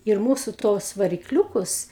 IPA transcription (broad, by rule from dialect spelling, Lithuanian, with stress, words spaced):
ɪr ˈmuːsʊ ˈtoːs ʋɐrʲɪkˈlʲuːkʊs